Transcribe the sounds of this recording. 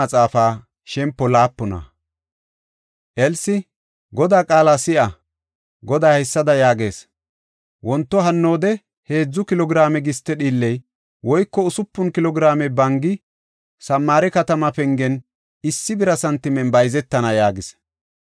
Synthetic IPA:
ɐt͡sʼaːfaː | ʃɛmpːɔlaːpːɔnɐ̰ | ʔɛlsɪ | ɡɔd̪aːkʼaːlasɪʔɐ | ɡɔd̪aːhɛsːɐd̪ɐjaːɡe̞ːs | wɔnt̪ːɔɦɐnːo̞ːd̪ɛ | he̞ːd͡zːʊkɪlɔɡɾaːmɛɡɪst̪ːɛɗiːlːɛj | wɔjkːɔʊsʊpːʊnkɪlɔɡɾaːmɛbɐŋɡɪ | sɐmːaːɾɛkɐt̪ɐmɐpɛŋɡɛn | ɪsːɪbɪɾɐsɐnt̪ːɪmɛnbɐjzɛt̪ːɐnɐjaːɡɪs

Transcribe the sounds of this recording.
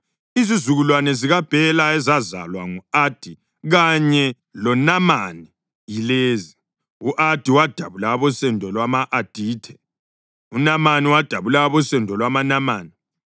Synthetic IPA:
izizuɣulwanɛziɣab̥ʱɛlaɛzaza̰lwaŋuad̥ʱi | ɣaɲɛ | lɔnamani | jileːzi | uʔad̥ʱiwad̥ʱaβulaβɔsɛndʱɔlwamaʔːd̥ʱiːtʰɛ | unamaniwad̥ʱaβulaaβɔsɛndʱɔlwamanamaːni

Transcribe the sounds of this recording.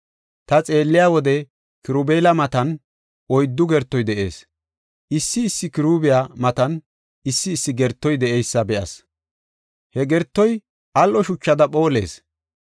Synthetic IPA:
t̪ɐt͡sʼe̞ːlːɪjaːwɔd̪ɛ | kɪɾubeːlɐmɐt̪ɐn | ɔjd̪ːʊɡɛɾt̪ːɔjd̪ɛʔe̞̰ːs | ʔɪsːɪːsːɪkɪɾuːbɪjamɐt̪ɐn | ɪsːɪːsːɪɡɛɾt̪ːɔjd̪ɛʔɛjsːɐbɛʔɐs | hɛɡɛɾt̪ːɔj | ʔɐlʔɔʃʊt͡ʃːɐd̪ɐpʼo̞ːle̞̰ːs

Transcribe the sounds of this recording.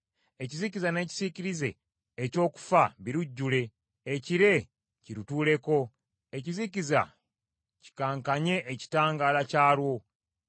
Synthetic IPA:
e̞cizicizane̞ːci̥ziciɾize̞̰ː | co̞ːku̥faβiɾuɟːule̞ː | ciɾe̞ | ciɾutuːle̞ko̞ | e̞ciziciza̰ | ci̥kaːŋkaɲe̞ʔːci̥taːŋɡaːlacaːlwo̞

